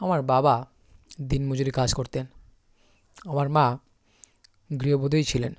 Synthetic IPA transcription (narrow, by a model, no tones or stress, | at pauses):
amaɾbaba | d̪inmod͡ʑoɾikad͡ʑkoɾt̪en | amaɾma | ɡɾiobod̪ʱojt͡ɕʰilen